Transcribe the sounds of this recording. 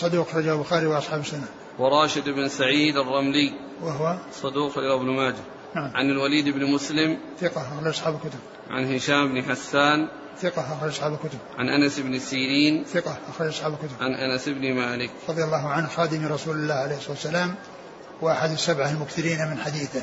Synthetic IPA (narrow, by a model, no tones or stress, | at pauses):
sˤɑd̪uːqxɑɾˤɑd͡ʒalbʊxaːɾiwɪʔɑsˤħɑːbsːʊna | wɪɾˤɑːʃɪd̪ɪbnsaʕiːd̪ɑrˤːɑmlij | wəɦʊwasˤɑd̪uːqxɑɾɑd͡ʒabnʊmaːd͡ʒa | naʕamʕanɪlwaliːd̪ɪbnmʊslɪm | θɪqɑʔaxɾˤɑd͡ʒɑsˤħɑːbɪlkʊt̪ʊb̚ | ʕa̰nhɪʃaːmɪbnħasːaːn | θɪqɑʔaxɾˤɑd͡ʒɑsˤħɑːbɪlkʊt̪ʊb̚ʕa̰nʔanasɪbnɪsiːɾiːnθɪqɑʔaxɾˤɑd͡ʒɑsˤħɑːbɪlkʊt̪ʊbʕanʔanasɪbnɪmaːlɪkɾˤɑd̪ˤjalˤːɑːɦʊʕanhxɑːd̪ɪmɾˤɑsuːlɪlːaːʕaleːhsˤːɑːt̪sːalaːm | wɪʔaħad̪ɪsːabʕaɪlmʊkθɪɾiːnamɪnħad̪iːθɪ